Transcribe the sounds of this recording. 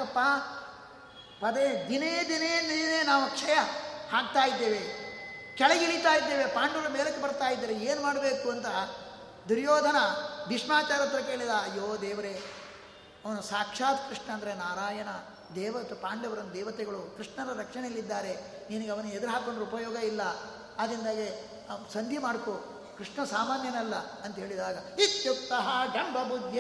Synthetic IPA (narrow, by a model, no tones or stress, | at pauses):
ɐpːaː | pɐd̪ed̪ineːd̪ineːnːineːnaːʋukʂɐjɐhaːk̚t̪aːjid̪ːeːʋekɛɭɐɡiɭit̪aːjid̪ːeːʋe̞paːɳɖɐʋɐɾɐmeːlɐkːebɐɾt̪aːjid̪ːɐːɾeeːnumaːɽɐbeːkuɐnt̪ɐ | d̪uɾjoːd̪ʱɐnɐbiʂmaːt͡ʃaːɾɐt̪ɾɐkeːɭid̪aɐjːoːd̪ɛːʋɐɾe | ɐʋɐnusaːkʂaːt̪kɾiʂɳɐɐnd̪ɾenaːɾaːjɐnɐ | d̪ɛːʋɐt̪ɐpaːɳɖɐʋɐɾɐnd̪ɛːʋɐt̪ɛɡɐɭukɾiʂɳɐɾɐɾɐkʂɐɳeɐlːid̪ːaːɾe̞ | ninɐɡeɐʋɐnːued̪ɐɾɦaːkoɳɖɐɾɐupɐjɔːɡɐilːɐː | d̪ɾind̪aːɡe | sɐnd̪ʱjimaːɽko | kɾiʂɳɐsaːmaːnjɐnɛlːɐɐnt̪ɐɦe̞ːɭid̪aːɡɐit̪jukt̪ːɐɦɐd͡ʒɐɳbʱɐbʱud̪je